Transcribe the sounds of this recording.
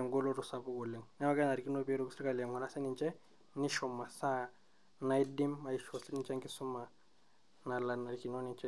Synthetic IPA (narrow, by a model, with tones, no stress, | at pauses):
ɛ˨ŋɡo˦lo˦ɾu˨sa˦pɔ˦kɔ˨le˨ŋnɛ˦wa˦kɛ˦na˨ɾki˦no˦pi˦ɾo˦ki˦si˦ɾi˦ka˨lɛ˨ŋɡɔ˨na˦sɛ˦ni˨nt͡ʃɛ˦ | nɪ˦ʃɔ˨ma˨sa˦ | na˦i˦di˦ma˨i˨ʃɔ˨si˦ni˨nt͡ʃa˦ŋkɪ˦su˦ma˨ | na˨la˨na˨ɾi˨ki˨no˦ni˨nt͡ʃɛ˦